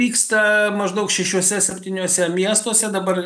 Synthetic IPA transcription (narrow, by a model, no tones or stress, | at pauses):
iːkst̪ɐmɐʒd̪ɐʊkʃʲɛʃʲuɔsʲɛsʲɛpʲt̪ʲiːnʲuɔsʲɛmʲiɛst̪uɔsʲɛd̪ɐbɐr